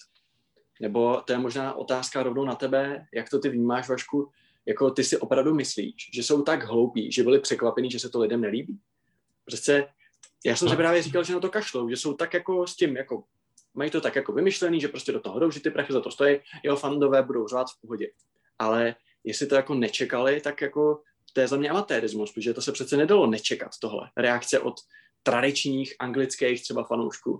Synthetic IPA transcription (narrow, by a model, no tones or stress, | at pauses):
nɛbo̞t̪o̞jɛmo̞ʒnaːʔo̞̰t̪aːskaɾo̞vnownat̪ɛbɛjakt̪o̞t̪ɪvɲiːmaːʃvaʃku | jako̞t̪ɪsɪʔo̞pɾavdumɪslḭːʃʒɛso̞wt̪aɡɦlo̞wpḭːʒɛbɪlɪpr̥ɛkvapɛniːʒɛsɛt̪olɪdɛmnɛliːbiː | pr̥ɛst͡sɛ | jaːsɛmsɪpɾaːvjɛrikalʒɛnat̪o̞kaʃlowʒɛso̞wt̪akjako̞scɪmjako̞ | majiːt̪o̞t̪akjako̞vɪmɪʃlɛniːʒɛpɾo̞scʲɛdot̪oɦodowʒɛt̪ɪpɾaxɪzat̪o̞st̪ojɪjɛɦofando̞vɛːbudo̞wraːt̪fpo̞ɦo̞ɟɛ | ʔalɛ | jɛslɪt̪o̞jako̞nɛt͡ʃɛkalɪt̪akjako̞ | t̪ɛːzamɲɛʔamat̪ɛːɾɪzmuspʒɛt̪osɛpr̝̥ɛt̪t͡sɛnɛdalo̞nɛt͡ʃɛka̰t̪ːo̞ɦlɛ̰ɾɛakt͡sɛʔo̞̰t̪ː | ɾadɪt͡ʃɲiːxʔaŋɡlɪt͡skɛjxt̪rɛbafanowʃkṵː